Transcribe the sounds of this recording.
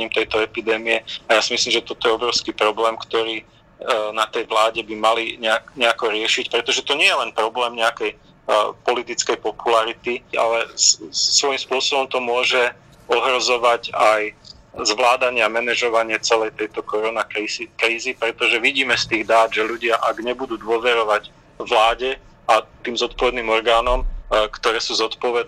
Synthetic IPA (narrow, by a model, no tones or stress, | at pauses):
ɲimt̪ɛjt̪ɔɛpid̪ɛːmiɛajaːsimisliːmʒɛt̪ɔt̪ɔjɛɔbɾɔʊskipɾɔblɛːmkt̪ɔɾiː | nat̪ɛjʋlaːɟɛbimaliɲɛakɲɛakɔɾɪɛʃicpɾɛt̪ɔʒɛt̪ɔɲɪɛjɛlɛnpɾɔblɛːmɲɛakɛj | pɔlit̪it͡skɛjpɔpulaɾit̪ia̰lɛ | sʋɔjimspʊɔsɔbɔmt̪ɔmʊɔʒɛ | ɔɦɾɔzɔʋaɟaj | zʋlaːd̪aɲɪamɛnɛʒɔʋaɲɪɛt͡sɛlɛjt̪ɛjt̪ɔkɔɾɔnaikɾiːzipɾɛt̪ɔʒɛʋiɟiːmɛst̪iːɣd̪aːd̪ʒɛluɟɪaʔaɡɲɛbud̪uːd̪ʊɔʋɛɾɔʋaɟ | ʋlaːɟɛ | at̪iːmzɔt̪̚pɔʋɛd̪niːmɔɾɡaːnɔmkt̪ɔɾɛːsuːzɔt̪pɔʋɛd̪